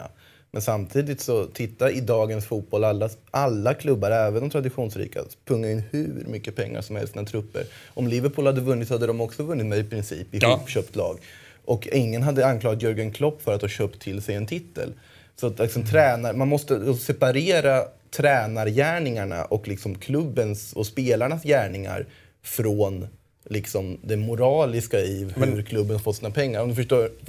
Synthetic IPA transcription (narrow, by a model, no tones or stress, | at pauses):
mɛnsamt̪ʰiːd̪ɪt̪sɔt̪ʰɪt̪ːaɪd̪ɑːɡənsfuːt̪̚bɔlalːaʔalːakʰlɵbːaɾɛːvənd̪ɔmt̪ʰɾad̪ɪɧuːnsɾḭːka̰pʰɵŋːaɪnːhʉ̰ɾmʏkːəpʰɛŋːa̰ʂɔmhɛlsːnat̪ʰɾɵpːə̰ɾʔɔmlɪvəɾpʰuːlhad̪ːəvɵnːɪt̪sɔhad̪ːəd̪ɔmɔksɔvɵnːɪt̪mɛjɪpʰɾɪnsḭːpɪuːpːɕøːpt̪ʰlɑ̰ːɡ | ʔɔkɪŋːənɦad̪ːəankʰlɑːɡat̪jœɾɡənkʰlɔpːfœɾat̪hɑːɕøːpt̪ʰːɪlsɛjɛnt̪ʰɪt̪ʰːə̰l | sɔat̪lɪksɔmt̪ʰɾɛːnaɾmanmɔst̪əsɛpaɾeːɾat̪ʰɾɛːnaɾjæːɳɪŋaɳa̰ʔɔklɪksɔmkʰlɵbːənsɔspeːlaɳasjæːɳɪŋa̰ɾ | fɾoːn | lɪksɔmd̪ɛmʊɾɑːlɪskaiːvhɵɾkʰlɵbːənfɔt̪ːsiːnapʰɛŋːaɾɔmd̪ɵfəʂʈoː